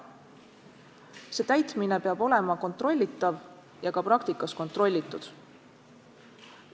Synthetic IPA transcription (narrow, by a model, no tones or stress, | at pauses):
se̞ːt̪æjt̪mine̞peɑb̥o̞le̞mɑko̞nt̪ˑro̞lʲːit̪ːˑɑv | jɑkɑpɾɑkt̪ikːˑɑsko̞nt̪ˑɾro̞lʲːit̪ːˑud̪̥